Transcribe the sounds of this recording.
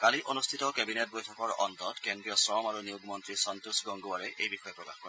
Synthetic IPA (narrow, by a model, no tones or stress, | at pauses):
kaliʔonustʰitɔkɛbinet̚bojtʰɔkɔɹɔ̰ntɔtkendɹijɔsɹɔmaɹunijuɡmɔntɹisɔntusɡɔŋɡuwaɹɛʔejbixɔjɛpɹɔkaxkɔɹɛ